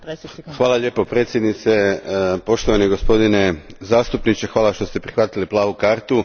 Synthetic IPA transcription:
xʋaːlaʎʲe̞ːpo̞pɾe̞ːt̪sʲjed̪nit̪sepo̞ʃt̪oʋaniɡospo̞d̪inezaːst̪upnit͡ʃexʋaːlaʃt̪o̞st̪e̞pɾixʋat̪iliplˠaːʋukaːɾt̪u

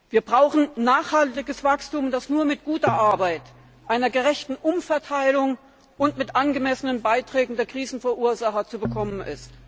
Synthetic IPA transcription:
viːɐbʁaʊxn̩naːχhaltɪɡəsv̥akstuːmdasnuːɐmɪtɡ̥uːtɐʔaɐbaɪt | ʔaɪnɐɡəʁɛçtn̩ʔʊmfɛɐtʰaɪlʊŋ | ʔʊntmɪtʔanɡəmɛsənənbaɪtʁ̥ɛːɡŋ̩deːɐkʁ̥iːzn̩fɛɐʔuːɐzaχɐt͡subəkʰɔmənʔɪ̰st

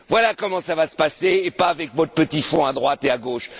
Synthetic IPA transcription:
vwalakɔmɑ̃savasə̥paseːpaːvɛkvɔt̪pət̪ifɔ̃ad̪ʁwat̪eaɡoːʃ

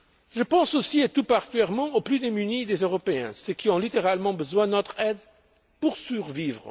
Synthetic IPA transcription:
ʒəpɑ̃sosiat̪upaʁt̪yɛʁmɑ̃oplyd̪emynid̪ezøʁɔpeɛ̰̃səkiɔ̃lit̪eʁalmɑ̃bəzwɛ̃d̪ənɔt̪χɛd̪ | puʁsyʁvivʁə

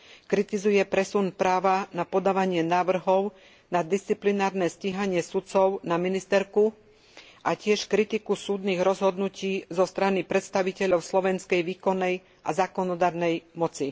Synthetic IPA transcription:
kɾit̪izujɛpɾɛsunpɾaːʋanapɔd̪aːʋaɲɪɛnaːʋr̩ɦɔʊ | nad̪ist͡siplinaːɾnɛsciɦaɲɪɛsut͡sɔʊnaminist̪ɛɾku | ʔacɪɛʃkɾit̪ikusuːd̪niːɣɾɔzɦɔd̪nuciːzɔst̪ɾanipɾɛt̪st̪aʋicɛʎɔʊslɔʋɛnskɛjʋiːkɔnːɛj | ʔa̰zaːkɔnɔd̪aːɾnɛjmɔt͡si

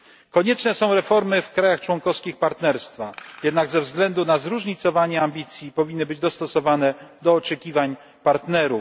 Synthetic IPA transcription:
kɔɲɛt͡ʂnɛsɔ̃w̃ɾɛfɔɾmɘfkɾajaxt͡ʂwɔŋkɔfskʲixpaɾt̪nɛɾst̪fajɛd̪naɡzɛvzɡlɛnd̪unazɾuʐɲit̪sɔvaɲɛambʲit̪sʲjipɔvʲinːɘbɘd͡ʑd̪ɔst̪ɔsɔvanɛd̪ɔːt͡ʂɛkʲivaɲ | paɾt̪nɛɾu

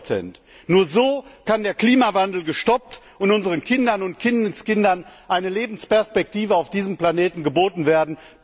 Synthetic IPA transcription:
t͡sɛ̰nt | nuːɐzoːkandeːɐkl̥iːmavandl̩ɡəʃtɔp̚t | ʊntʊnzəʁənkʰɪndɐnʊntkʰɪnskɪndɐnʔaɪnəleːbn̩spɛɐspɛk̚tiːvəaʊfd̥iːzəmpl̥aneːtn̩ɡəboːtn̩veːɐdn̩

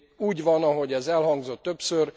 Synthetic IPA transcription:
uːɟʋɒnɒɦo̞ɟɛzɛlɦɒŋɡzo̞t̪ːøpsør

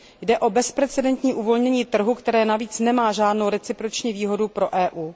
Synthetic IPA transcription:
jdɛʔo̞bɛspɾɛt͡sɛdɛnt̪ɲiːʔuvo̞lɲɛɲiːt̪r̩ɦukt̪ɛɾɛːnaviːt͡snɛmaːʒaːdnowɾɛt͡sɪpɾot͡ʃɲiːviːɦo̞dupɾo̞ʔɛːʔuː

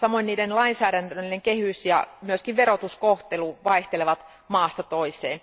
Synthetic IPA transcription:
sɑmoiniːdenlɑinsæːɾænt̪æilːeŋkehysjɑ̰myøskiʋʋeɾot̪uskoht̪eluʋɑiht̪eleʋɑt̪ | mɑːst̪ɑt̪oisḛːn

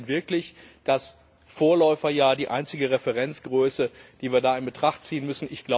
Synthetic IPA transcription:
nvɪɐklɪçd̥as | foːɐlɔʏfɐjaːdiːʔaɪnt͡sɪɡəʁɛfɛʁɛnt͡sɡ̥ʁøːsəd̥iːviːɐdaːɪnbətʁ̥aχtt͡siːənmʏsn̩ʔɪçɡ̥la

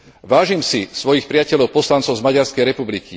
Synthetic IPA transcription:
ʋaːʒimsisʋɔjixpɾɪacɛʎɔʊpɔslant͡sɔʊzmaɟaɾskɛjɾɛpubliki

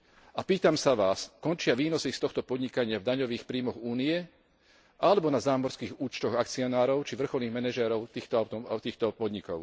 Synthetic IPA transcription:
apiːt̪amsaʋaːskɔnt͡ʃɪaʋiːnɔsist̪ɔxt̪ɔpɔd̪ɲikaɲɪavd̪aɲɔʋiːxpɾiːmɔɣuːnijɛ | ʔalɛbɔnazaːmɔɾskiːɣuːt͡ʃt̪ɔɣak̚t͡siɔnaːɾɔʊt͡ʃiʋr̩xɔlniːɣmɛnɛʒɛɾɔʊt̪iːxt̪ɔaʊt̪ɔt̪iːxt̪ɔpɔd̪ɲikɔ̰ʊ

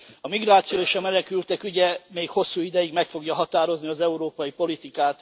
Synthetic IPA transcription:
ɒmiɡraːt̪sijoːeːʃɒmɛlɛkylt̪ɛkyɟɛmeːkho̞sːuːid̪ɛjiɡmɛkfo̞ɡjɒɦɒt̪aːɾo̞zniɒzɛuɾoːpɒjipo̞lit̪ikaːt̪

